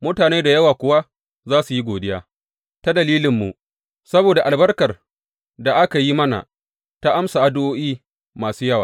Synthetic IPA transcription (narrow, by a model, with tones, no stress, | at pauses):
mʊ˦taː˨neː˦da˨jɐ˦waː˨kʷʊ˨wa˦ | zaː˦su˨ji˦ɡʷoː˨dɪ˦ja̰ː˦ | ta˦dɐ˨liː˦lɪ˨mːṵ˨ | sɐ˦boː˨da˨ʔa˨lbɐ˦rkɐ˨r | da˨ʔa˦ka˨ji˦mɐ˦na̰˨ | ta˦ʔa˦msa˨ʔa˦dʊ˦ʔoː˦ʔiː˦ | maː˨suː˦jɐ˦wa̰ː˨